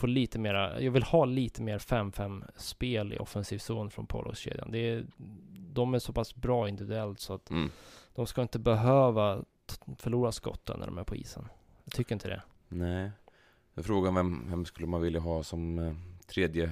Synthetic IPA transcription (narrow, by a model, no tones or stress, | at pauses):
foːɭiːt̪əmeːɾajɑːɡvɪlhɑːliːt̪əmeːɾfɛmːfɛmːspeːlɪ̰ʔɔ̰fənsiːvsuːnfɾɔnpʰo̰ːlɔ̰ɕḛːd̪ja̰nd̪ɛ | d̪ɔmæʂɔpasbɾɑːɪnd̪ɪvɪd̪ɵɛlt̪sɔat̪d̪̥ɔmskaɪnt̪əbɛɦøːva | fœɭuːɾaskɔ̰t̪ːə̰nːæ̰ɖɔ̰mæ̰ɾpʰʊḭːsə̰n | jɑt̪ʰʏkːəɾɪnt̪əd̪ɛ̰ | nɛɪ | d̪afɾoːɡanvɛmvɛmskɵlːəmanvɪljaɦɑːsɔmt̪ʰɾeːd̪jə